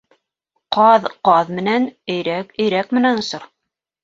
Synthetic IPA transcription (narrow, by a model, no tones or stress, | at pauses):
qɑðqɑðmɘ̆nænɘ̆jɾækɘ̆jɾækmɘ̆nænŏsɤɾ